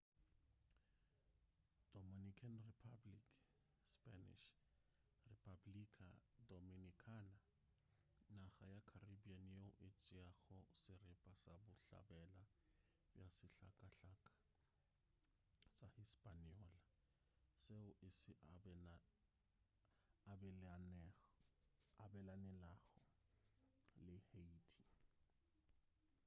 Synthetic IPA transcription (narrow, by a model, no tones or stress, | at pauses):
d̥ɔminikʰanripʰablik | sspʼanḭʃ | ripʰablikʰadominikʰana | naɣajakʰaribianjeʊʔɪt͡sʼɪaɣʊsɪrɪpʼasabʊɬa̰bɛla | bjasɪɬa̰kʼaɬakʼḁ | sahispʼaniɔːla | seʊʔɪsɪʔɛna | abɛlanɛ | abɛlanɛlaːɣɔ | lɪheitʰi